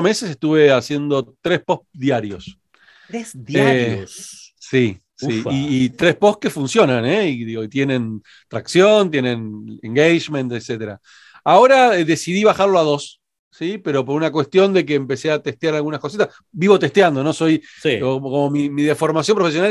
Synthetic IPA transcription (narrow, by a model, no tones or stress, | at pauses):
me̞sesest̪uβe̞asje̞nd̪o̞t̪ɾespohðjaɾjo̞s | ɾesaeossi | siiːt̪ɾespohke̞funsjo̞naneiðiɣo̞it̪jenẽ̞n | t̪ɾaksjo̞nt̪je̞nẽnḛŋɡejʃmẽnt̪ekset̪eɾa̰ | ao̞ɾaðe̞siðiβ̞axaɾloað̞o̞sː | ipe̞ɾo̞p̬oɾunakwe̞st̪jo̞nd̪e̞k̬eːmpe̞seat̪e̞ht̪jaɾalɣunaskosit̪as | biβo̞t̪e̞ht̪jand̪ono̞so̞jsokomo̞mimiðefo̞ɾmas̬jo̞mpɾofesjona